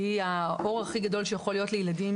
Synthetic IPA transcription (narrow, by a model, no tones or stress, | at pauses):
iaʔo̞ʁaχiɡado̞lʃejaχo̞lijo̞tlejeladim